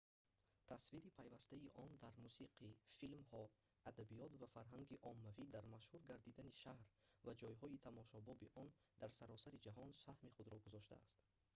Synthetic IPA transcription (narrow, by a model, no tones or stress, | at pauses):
t̪ʰasviɾipʰajvast̪aiʔɔnd̪aɾmusiqʰifilmhɔ | ad̪abijɔt̪vafaɾɦaŋɡiʔɔmːavid̪aɾmaʃhuɾɡaɾd̪id̪aniʃahɾvad͡ʒɔjɦɔit̪ʰamɔʃɔbɔbiʔɔnd̪aɾsaɾɔsaɾid͡ʒaɦɔnsahmiχud̪ɾɔɡuzɔʃt̪a̰ːst̪